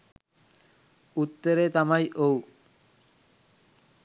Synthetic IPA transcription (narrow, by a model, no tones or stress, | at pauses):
ut̪ːəɾet̪amajʔow